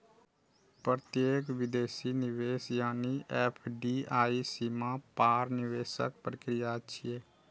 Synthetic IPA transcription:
pɾət̪jeːkʋɪd̪eːsinɪʋeːsjaːniʔɛːpʰɖiːaːisimapaːɾnɪʋeːsə̰k̚pɾəkɾɪjatːʃʰieː

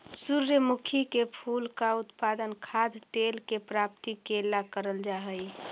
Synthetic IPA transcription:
suɾjəmukʰikepʰulkaut̪pad̪ənkʰad̪ʱt̪elkepɾap̚t̪ikelːakəɾəld͡ʒaɦəj

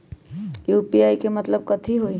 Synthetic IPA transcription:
juːpiaːikemɐt̪ləb̚kət̪ʰiɦoi

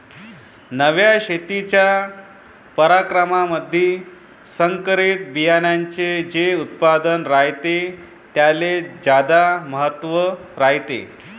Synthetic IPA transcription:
nəʋjaɕet̪it͡ɕja | pəɾakɾəmaməd̪ʱːiː | səŋkəɾit̪̚bijanjaɲt͡sed͡ʑeut̪̚pad̪ənɾaɦjt̪e | t̪jaled͡ʑad̪aməɦət̪ːʋəɾaɦjt̪ḛ

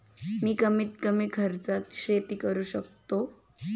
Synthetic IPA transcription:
miːkəmiːt̪̚kəmikʰəɾt͡sat̪ɕɾet̪iːkəɾuːɕək̚t̪o

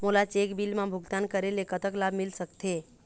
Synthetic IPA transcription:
molat͡ʃekbilmãbʱʊɡt̪ankəɾelekət̪əklabmɪlsəkt̪ʰe

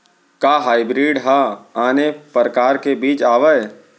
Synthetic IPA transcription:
kaɦaːɪbɾiːɖɦaaːnepəɾəkaːɾkebiːt͡ʃaːʋəj

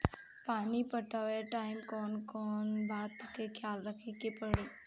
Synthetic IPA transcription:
paːnipəʈaʋeʈaimkɔːnkɔːnbat̪ːəkekʰjalɾəkʰekepəɽe

